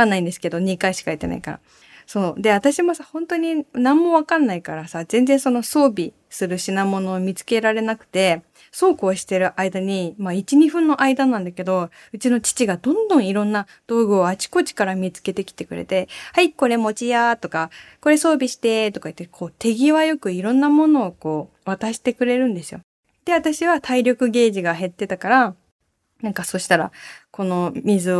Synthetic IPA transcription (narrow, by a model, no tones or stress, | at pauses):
anːaĩnd̪e̞sɨ̥ke̞d̪o̞ɲ̟ikaiɕi̥kait̪ena̰ika̰ɾa̰ | so̞ːd̪e̞βat̪aɕimo̞sahõ̞nt̪o̞ɲ̟inãmːo̞βakãnːaikaɾasazẽ̞nd͡zẽ̞so̞no̞so̞ːbʲi | sɨɾɯ̟ɕinamo̞no̞ːmʲit͡sɨ̥ke̞ɾaɾe̞nakɯ̟̥t̪e̞ | so̞ːko̞ːɕi̥t̪e̞ɾɯ̟ʔaid̪aɲ̟imait͡ɕiɲ̟iɸɯ̟̃nːo̞ʔaid̪anãnd̪ake̞d̪o̞ | ɯ̟t͡ɕino̞t͡ɕi̥t͡ɕiɡad̪õ̞nd̪õ̞ɰ̃iɾõ̞nːa | d̪̥o̞ːɡɯ̟oat͡ɕi̥ko̞t͡ɕi̥kaɾamʲit͡sɨ̥ke̞t̪e̞kʲi̥t̪e̞kɯ̟ɾḛt̪e̞haiko̞ɾe̞mo̞t͡ɕijat̪o̞kako̞ɾe̞so̞ːbʲiɕi̥t̪e̞t̪o̞kait̪ːekʰo̞ːt̪e̞ɡʲiβajo̞kɯ̟iɾõ̞nːamo̞no̞ːko̞ː | β̞at̪aɕi̥t̪e̞kɯ̟ɾe̞ɾɯ̟̃nd̪e̞sɨjo̞̰ | d̪̥e̞βat̪aɕiβat̪ʰaiɾʲo̞kɯ̟ɡe̞ːʑiɡaɦe̞t̪ːe̞t̪akaɾa | nãŋkaso̞ɕi̥t̪aɾa̰ko̞no̞mʲizɨo